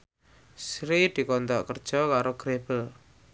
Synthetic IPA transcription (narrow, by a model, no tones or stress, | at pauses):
sɾid̪̥i̤kɔnt̪ɔʔkərd̥ʒ̥ɔkaɾoɡ̥ɾeb̥əl